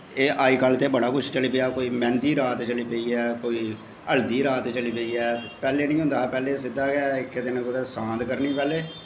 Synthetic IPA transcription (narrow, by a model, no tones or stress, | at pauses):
eːʔaːiːkəlt̪eːbəɽaːkʊt͡ʃʰt͡ʃəliːpeːaːkoːiːmɛ̃ːnd̪iːɾaːt̪t͡ʃəliːpeiːɛːkoːiː | əld̪iːɾaːt̪t͡ʃəliːpeiːɛːpɛːleːnĩːɦʊ̃nd̪aːpɛːleːsɪd̪aːɡɛkɪd̪eːnẽɡʊd̪ɛːsãːnd̪kəɾniːpɛːleː